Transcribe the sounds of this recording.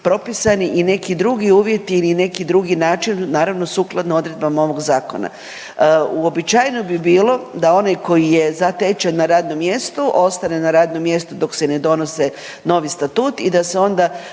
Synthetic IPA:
pɾo̞pisaniʔine̞kid̪ɾuɡiuːʋje̞t̪iːline̞kid̪ɾuɡinaːt͡ʃinːaːɾaʋno̞suːklˠad̪nao̞d̪ɾe̞d̪̚bamao̞ʋo̞ɡzaːko̞̰na̰ | uo̞bit͡ʃajnobibiːlˠo̞d̪ao̞najko̞jije̞zat̪et͡ʃenːaɾaːd̪no̞mje̞st̪uʔo̞st̪ane̞naɾaːd̪no̞mje̞st̪ud̪o̞kse̞ne̞d̪o̞no̞se̞ | no̞ʋist̪at̪uːt̪id̪aseo̞nd̪a

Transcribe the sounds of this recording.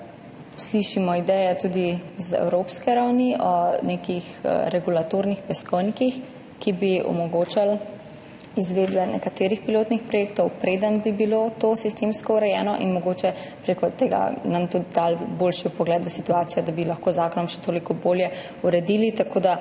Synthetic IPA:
sliʃimɔid̪ɛjɛt̪ud̪izɛ̰wɾopskɛɾawniʔɔnekixɾɛɡulat̪oːɾnixpɛskɔnikix | kibiɔ̰mɔɡoːt͡ʃal | izʋeːd̪bɛnɛ̰kat̪eːɾixpiloːt̪nixpɾɔjeːkt̪ɔwpɾeːd̪ənbibilot̪osist̪emskɔuɾɛjɛːnɔʔḭnmɔɡoːt͡ʃɛ | pɾekɔt̪eːɡa̰namt̪ud̪id̪alboːlʃipɔɡlɛːt̪ʋəsit̪uaːt̪sijɔd̪abilɐxkoːzaːkɔnɔmʃɛ̥t̪oːlikɔboːljɛ | uɾɛd̪iːlit̪akoːd̪a

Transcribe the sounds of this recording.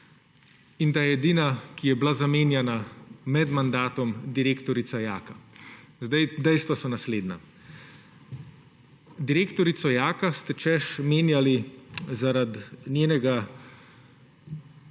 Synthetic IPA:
int̪ajɛɛd̪iːnakijɛblazameːnjɛnamɛd̪mand̪aːt̪ɔmd̪iɾeːkt̪ɔɾit̪sajaːkazd̪ɛjd̪ɛjst̪ʋasɔnasleːd̪na | d̪iɾeːkt̪ɔɾit̪sɔjaːkast̪ɛt͡ʃɛʃmeːnjalizaɾad̪nʲjeːnɛɡa

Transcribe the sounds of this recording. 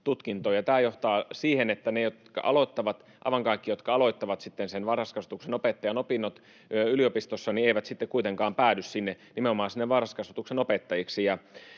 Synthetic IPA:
t̪ut̪kint̪oːjɑt̪æːjoht̪ɑːsiːhenet̪ːænejot̪kɑ̰ʔɑ̰loit̪ːɑʋɑt̪ | ɑiʋɑŋkɑikːijot̪kɑɑloit̪ːɑʋɑt̪sit̪ːensenʋɑrɑskɑsut̪uksenopet̪ːɑjɑnopinːot̪ | yliopist̪osːɑnieiʋæt̪sit̪ːekuit̪eŋkɑːmpæːdyssinːe | nimeomɑːnsinːeʋʋɑrɑskɑsut̪uksenopet̪ːɑjiksijɑ

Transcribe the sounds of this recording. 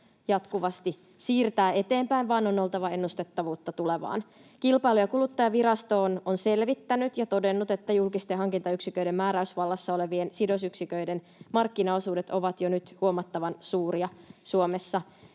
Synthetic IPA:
jɑt̪kuʋɑst̪i | siːrt̪æːe̞t̪e̞ːmpæinʋɑːnono̞lˠt̪ɑʋɑe̞nːust̪e̞t̪ːɑʋuːt̪ːɑt̪uleʋɑ̰ːn | kilpɑilujɑkulut̪ːɑjɑʋiɾɑst̪o̞ːnonse̞lʋit̪ːænyt̪jɑt̪o̞de̞nːut̪et̪ːæjulkist̪eɦɑŋkint̪ɑyksikøjdemːæːɾæysʋɑlːɑsːɑo̞le̞ʋiensido̞syksikøiden | mɑrkːinɑosuːdet̪o̞ʋɑt̪jonyt̪huomɑt̪ːɑʋɑnsuːriɑsuomesːɑ

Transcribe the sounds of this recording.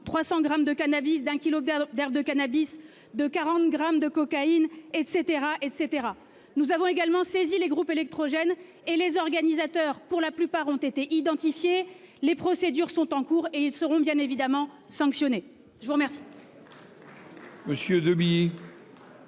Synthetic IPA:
t̪χwasɑ̃ɡʁamd̪əkanabisd̪ɛ̃kʲilod̪ɛʁbd̪əkanabis | d̪əkaʁɑ̃t̪ɡʁamd̪əkɔkainɛt̪set̪eʁaʔɛt̪set̪eʁa | nuzavɔ̃eɡalmɑ̃sezileɡʁupelɛk̚t̪χɔʒɛn | elezɔʁɡanizat̪œʁpuʁlaplypaʁɔ̃t̪et̪eʔid̪ɑ̃t̪ifje | lepχɔsed̪yʁsɔ̃t̪ɑ̃kuʁeilsəʁɔ̃bjɛ̃nevid̪amɑ̃ | sɑ̃ksjɔne | ʒəvuʁmɛʁsi̥ | məsjød̪əbije

